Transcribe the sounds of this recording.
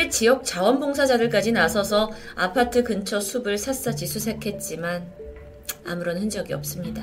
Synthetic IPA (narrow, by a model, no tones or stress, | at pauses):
et͡ɕijʌk̚t͡ɕ͈awʌnboŋsʰad͡ʑadɯɭk͈ad͡ʑinasʰʌsʰʌ | apʰatʰɯkɯnt͡ɕʰʌsʰubɯɭsʰas͈ad͡ʑisʰusʰekʰe̞t̚t͡ɕ͈iman | a̰mɯɾʌnhɯnd͡ʑʌɡiʌ̰p̚s͈ɯmɲida